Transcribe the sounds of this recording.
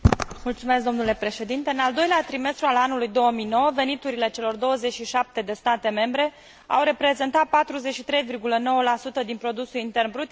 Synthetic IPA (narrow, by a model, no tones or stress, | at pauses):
mult̪sumesk̚d̪o̞mnule̞pɾe̞ʃe̞d̪int̪eɨnald̪o̞jleat̪ɾime̞st̪ɾualanulujd̪o̞wəmijno̞wəve̞nit̪uɾile̞t͡ʃe̞lo̞rd̪o̞wəze̞t͡ʃʃiʃap̚t̪e̞d̪e̞st̪at̪e̞me̞mbɾe̞ | a̰wɾe̞pɾe̞ze̞nt̪at̪̚pat̪ɾuze̞t͡ʃʃit̪ɾe̞jvirɡuləno̞wəlasut̪əd̪inpɾo̞d̪usulint̪e̞rnbɾut̪